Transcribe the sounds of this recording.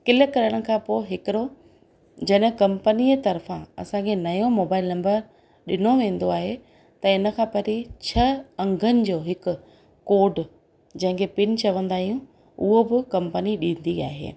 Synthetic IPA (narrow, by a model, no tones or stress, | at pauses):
kɪləkɐɾəɽ̃ə̆kʰãːpoːɦɪkɪɾo | d͡ʑɐɗɦkɐ̃mpəniet̪ɐɾfãɐ̰sãkʰenɐjõmoːbaːɪlnɐ̃mbəɾ | ɗɪn̤oʋẽːn̆d̪oaːɦe | t̪ɐɪnə̆kʰãːpɐɾit͡ɕʰɐɐ̃ŋɡʱənɪ̆d͡ʑoːɦɪkʊ̆ | koːɖ | d͡ʑɐ̃ɦɪ̃ŋkʰepɪnt͡ɕʰɐʋə̃nd̪aːɦijũ | ʊɦobɪkɐ̃mpəniɗĩːnd̪ia̰ːɦḛː